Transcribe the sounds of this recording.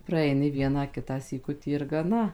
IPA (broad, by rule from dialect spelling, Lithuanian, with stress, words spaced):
prɐɛɪˈnʲɪ ˈʋʲiɛnɑː ˈkʲɪtɑː sʲiːˈkʊtʲiː ɪr ɡɐˈnɐ